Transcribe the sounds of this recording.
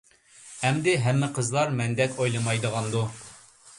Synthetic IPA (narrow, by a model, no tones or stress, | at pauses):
hɛmd̪ɪɦɛmːɪqʰəzlˠɑɾmɛnd̪ɛkʲojlˠɨmɑjd̪əʁɑnd̪u